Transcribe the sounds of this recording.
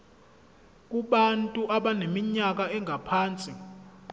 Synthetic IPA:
k̬uɓantʼuʔaɓanemiɲak̬aɛŋʱapʰaːnt͡sʼi

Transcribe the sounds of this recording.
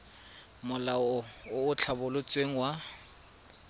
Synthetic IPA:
mʊlaɔʊʊt͡ɬʰabʊlʊt͡sʼweŋ̩wa

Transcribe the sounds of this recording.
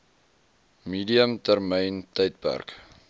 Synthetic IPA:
miːdiəmtærmɛjntəjt̚pæ̰rk

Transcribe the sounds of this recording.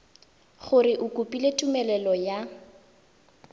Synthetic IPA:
χʊrɪʔʊkʼʊpʼiletʼumɛlɛlɔja

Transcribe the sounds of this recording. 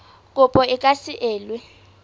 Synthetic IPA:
k̬ʼupʼɔik̬ʼasiʔeːlwɛ

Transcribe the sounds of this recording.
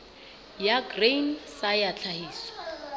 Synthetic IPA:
jaɡrejnsajat͡ɬʰahiːsɔ̥

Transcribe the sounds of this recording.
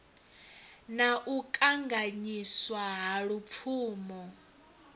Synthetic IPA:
naʔukʼaŋɡaɲiswaɦaɺup̪fʰuːmɔ

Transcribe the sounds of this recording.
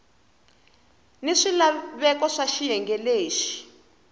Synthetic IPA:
niʂilaβɛkɔʂaʃijɛŋɡɛleːʃi̥

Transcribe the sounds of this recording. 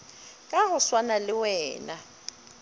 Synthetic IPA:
kʼaɦʊswanalɪwɛːna

